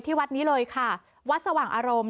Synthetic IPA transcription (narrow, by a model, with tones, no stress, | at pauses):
t̪ʰiː˥˩wa˦˥t̪̚niː˦˥lɤː˧jkʰa˥˩ | wa˦˥t̪̚sa˧waː˨˩ŋʔaː˧ɾo˧m